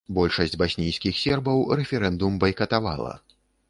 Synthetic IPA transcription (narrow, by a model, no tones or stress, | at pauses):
bɔlʲʂɐsʲd͡zʲbasʲnʲijsʲkʲixsʲɛrbɐwrɛfʲɛɾɛnd̪umbɐjkɐt̪ava̰lˠɐ̰